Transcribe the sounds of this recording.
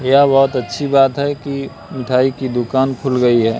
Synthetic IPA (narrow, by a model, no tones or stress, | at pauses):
jabɐɦʊt̪ɐtːʃʰibaːt̪ɦɛki | mɪʈʰaːikid̪ʊkaːnkʰʊlɡɐiɦɛː